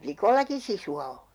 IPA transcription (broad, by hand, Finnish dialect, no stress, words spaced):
plikolːɑki sisuɑ o